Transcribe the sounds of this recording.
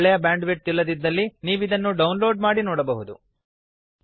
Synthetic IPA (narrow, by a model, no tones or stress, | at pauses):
ɭɛjɐbaːɳɖʋeʈ̚t̪ilːɐd̪id̪ːɐlːiniːʋid̪ɐnːuɖɐwnloːɖmaːɽinɔːɽɐbɐɦud̪u